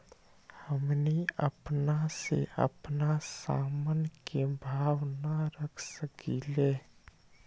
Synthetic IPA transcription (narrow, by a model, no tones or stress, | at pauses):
həmniə̰pnasḛʔə̰pnasa̰ːmənkebʱaːʋnaɾəkʰsəkileː